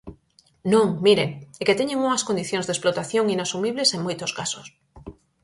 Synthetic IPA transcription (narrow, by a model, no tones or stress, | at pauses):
nõŋmiɾeŋeket̪eɲeŋuŋaskond̪iθjõŋzðesplot̪aθjoŋinasumiβleseŋmojt̪oskaso̥s